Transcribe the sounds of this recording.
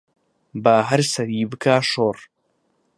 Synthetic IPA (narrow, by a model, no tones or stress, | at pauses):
baɦɐɾsɐɾiːbɨkaːʃoːr